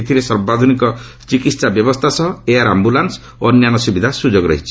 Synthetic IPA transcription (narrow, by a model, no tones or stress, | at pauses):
et̪ʰiɾesɔɾbad̪ʱunikɔ | t͡ʃikit̪sabjɔbɔst̪ʰasɔɦɔeaɾambulans | onjanɔsubid̪ʱasud͡ʒoɡɾɔ̰ɦit͡ʃʰi̥